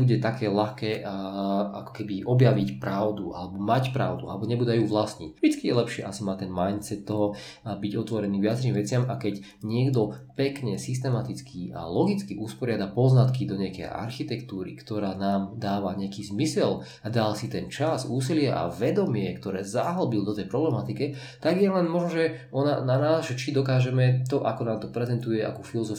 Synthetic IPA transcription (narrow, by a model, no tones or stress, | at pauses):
buɟɛt̪akɛːlaxkɛː | a̰kɔ̥kɛbiʔɔbjaʋicpɾaʊd̪uʔa̰lɛbɔmacpɾa̰ʊd̪ua̰lɛbɔɲɛbud̪ajuːʋlasɲicʒd̥it͡skijɛlɛpʃɪɛʔasimaːt̪ɛnmajnt̪t͡sɛt̪ːɔɦɔ | biɟɔt̪ʋɔɾɛniːʋɪat͡sɾimʋɛt͡sɪamakɛɟ | ɲɪɛɡd̪ɔpɛkɲɛsis̬t̪ɛmat̪it͡skiːʔa̰lɔɡit͡skiʔuspɔɾɪad̪apɔznat̪kid̪ɔɲɛakɛ̰jʔa̰ɾxit̪ɛkt̪uːɾḭkt̪ɔɾaːnaːmd̪aːʋaɲɛakiːzmisɛl | ad̪alsit̪ɛnt͡ʃazuːsilɪɛʔa̰ʋɛd̪ɔmɪɛkt̪ɔɾɛːzaɦl̩bild̪ɔt̪ɛjpɾɔblɛmat̪ikɛ | t̪aɡjɛlɛnmɔʒnɔʒɛ | ɔnananaːzʒɛt͡ʃid̪ɔkaːʒɛmɛt̪ɔʔakɔnaːmt̪ɔpɾɛzɛnt̪ujɛʔa̰kufilɔzɔf